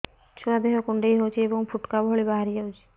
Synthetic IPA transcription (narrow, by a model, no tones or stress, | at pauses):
t͡ʃʰuad̪eɦɔkuɳɖejɦowt͡ʃʰiebɔŋpʰuʈkabʱɔɭibaɦaɾiɦowt͡ʃʰi̥